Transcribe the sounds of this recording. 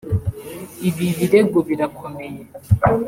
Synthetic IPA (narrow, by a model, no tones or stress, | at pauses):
iβiβiɾeɡoβiɾakʰomeje